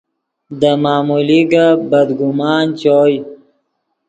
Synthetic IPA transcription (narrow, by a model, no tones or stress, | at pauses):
d̪əmaːmuliɡabɐd̪ɡʊmaːnt͡ɕoj